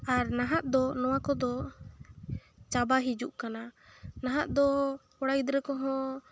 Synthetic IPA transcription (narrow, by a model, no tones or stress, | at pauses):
aɾnaɦaʔd̪ɔnɔwakɔd̪ɔ | t͡ʃabaɦid͡ʒuʔkananaɦaʔd̪ɔkɔɽajd̪ɾɛkɔɦɔ̃